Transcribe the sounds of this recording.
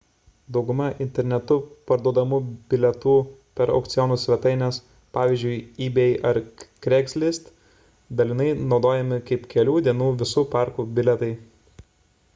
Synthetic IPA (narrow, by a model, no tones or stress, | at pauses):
d̪ɒʊɡʊmɐʔɪnʲt̪ʲɛɾʲnʲɛt̪ʊpɐɾd̪uɔd̪ɐmubʲɪlʲɛt̪uːpʲɛɾɐ̰ʊkt̪sʲɪjɔnuːsʲʋʲɛt̪ɐɪnʲɛs | pɑːʋʲiːzʲd͡ʒʲʊɪiːbʲɛɪʔɐɾkɾʲɛksʲlʲɪst̪ | d̪ɐlʲɪnɐɪnɒʊd̪oːjɛmʲɪkɐɪpkʲɛlʲuːd̪ʲiɛnuːʋʲɪsuːpɑˑɾkubʲɪlʲɛt̪ɐɪ